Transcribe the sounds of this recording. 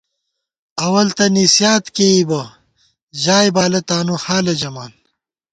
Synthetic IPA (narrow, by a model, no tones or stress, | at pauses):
ɐwɐlt̪ɐnisjaːt̪keibɐ | ʑaːjbaːlɐt̪aːnuhaːlɐd͡ʑɐmaːn